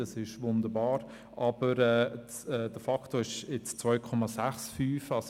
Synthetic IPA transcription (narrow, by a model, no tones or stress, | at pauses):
ɑsɪʃʋʊnd̪əɾbɑːɾ | ʔɑb̥əɾɛː | ɛːd̥əfɑktoɪʃɪt͡st͡svœʏkʰɔmɑsæχsfyːfɑs